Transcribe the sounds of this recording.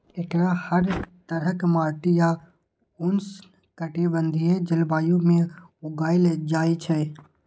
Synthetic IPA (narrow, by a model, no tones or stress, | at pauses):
ekɾahəɾt̪əɾəkmaːʈɪja | ʊns | kəʈibə̃nd̪ʱied͡ʒɪlbaːjũmẽʊɡaːɪld͡ʒaːit͡ʃʰɛ